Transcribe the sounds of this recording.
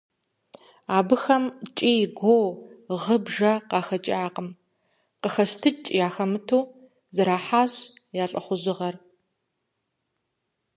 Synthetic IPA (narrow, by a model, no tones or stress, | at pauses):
aːbɨxɐmt͡ʃʼiːɡʷowʁəbʒɐqɑːxɐt͡ʃʼaːqəm | qəxɐɕtʰɨt͡ʃʼjaːxɐmɨtʰuː | zɨɾaːħaːɕ | jaːɬʼɐχʷʊʑɪʁɐr